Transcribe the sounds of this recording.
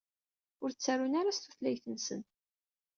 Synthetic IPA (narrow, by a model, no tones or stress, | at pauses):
ʊɾt͡sːærunaɾast̪uθlæjθənsə̰n